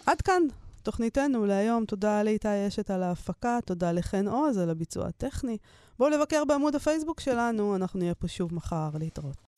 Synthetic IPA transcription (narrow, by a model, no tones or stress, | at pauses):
ʔadkanto̞χnite̞nuleajo̞mto̞daleitaje̞ʃetalaːfakat̪o̞daleχeno̞zalabit͡sṵa̰teχnibole̞vake̞ʁbeamudafejs̬bukʃe̞lanuanaχnuijepo̞ʃuvmaχaʁliːtʁo̞t